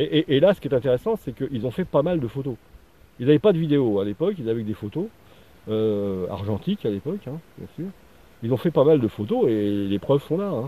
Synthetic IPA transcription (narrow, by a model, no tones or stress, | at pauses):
eʔeʔelasə̥kʲiɛt̪ɛ̃t̪eʁesɑ̃sɛkəʔilzɔ̃fɛpamald̪əfot̪o | ilzavɛpad̪əvid̪eoalepɔkilzavɛvikd̪efot̪o | øa̰ʁʒɑ̃t̪ikalepɔkɛ̃b̥jɛ̰̃syːʁ | ilzɔ̃fɛpamald̪əfot̪oelepχœvsɔ̃laɛ̃